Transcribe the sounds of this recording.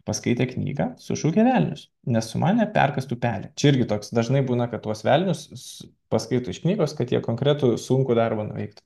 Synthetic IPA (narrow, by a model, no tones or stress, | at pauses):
pɐskɐɪt̪ʲeːknʲḭːɡɑsʊ̰ʃuːkʲɛʋʲælʲnʲʊs | nʲɛssʊmʔɑːnʲɛpʲæ̰rkɐst̪uːpʲæːlʲɛt͡ʃʲɛɪɾʲɡʲɪt̪oːksd̪ɐʒnɐɪbuːnɐkɐt̪̚t̪ːuɔsʋʲælʲnʲʊs | pɐskɐɪt̪ʊɪʃknʲiːɡoːskɐt̪jiɛkoːŋkɾʲæt̪ʊsuŋkʊd̪ɑrbɐnʊ̰ʋʲɛ̰ɪkt̪ʊ